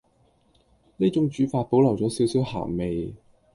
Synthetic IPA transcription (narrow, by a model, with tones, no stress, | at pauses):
niː˥t͡sʊ˨˥ŋt͡ʃyː˨˥faː˧t̚po˨˥wlɐ˨˩wt͡ʃɔː˨˥siː˨˥wsi˨˥wha̰ː˨˩ŋme˨j